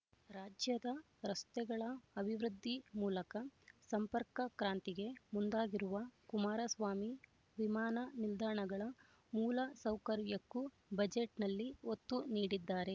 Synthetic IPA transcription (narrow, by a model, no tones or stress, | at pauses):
ɾaːd͡ʒjɐd̪ɐ | ɾɐst̪ɛɡɐɭɐːbʱiʋɾud̪ʱːimuːlɐkɐsɐmpɐɾkɐkɾaːnt̪iɡe̞mund̪aːɡiɾuʋɐkumaːɾɐsʋaːmi | ʋimaːnɐnild̪aːɳɐɡɐɭɐ | muːlɐsɐwkɐɾjɐkːu | bɐd͡ʒeʈnɐlːiot̪ːuniːɽid̪ːaːɾe̞